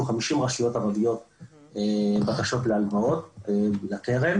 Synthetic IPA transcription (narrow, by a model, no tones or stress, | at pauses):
uχamiʃimʁaʃujo̞taʁavijo̞t̪ebakaʃo̞t̪lealvao̞t̪lakeʁem